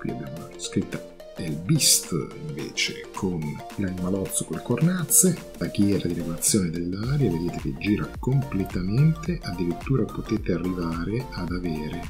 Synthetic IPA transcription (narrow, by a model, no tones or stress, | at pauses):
kwḭa̰bjaːmolat̪oskɾit̪ːa | elbist̪iɱvḛːt͡ʃḛkʰon | lanimalɔt̪sːokolekornat̪sːe | laɡjɛːɾad̪iɾeɡolat̪sːjoːned̪elːaːɾjaved̪eːt̪ek̟ed͡ʒːiːɾakomplet̪ament̪eʔad̪ːiɾit̪ːuːɾapot̪eːt̪earːivaːɾead̪aveːɾe